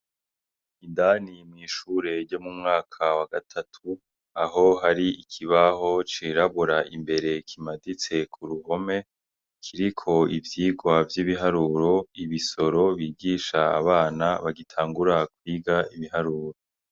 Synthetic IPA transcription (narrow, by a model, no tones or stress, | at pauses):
indanimŋiːʃuːɾe̞ɾɟo̞mumŋaːkʰawaɡatʰatʰu | aɦo̞ɦaɾiikʰiβaɦo̞t͡ʃiɾaβuɾaʔimbe̞ɾe̞kʰimadit͡se̞kʰuɾuɦo̞me̞ | kʰiɾikʰo̞ivjiːɡwavjiːβiɦaɾuːɾo̞iβiso̞ɾo̞βiːɡiːʃa̰ːβaːnaβaɡitʰaːŋɡuɾakwiːɡaiβihaɾuːɾo̞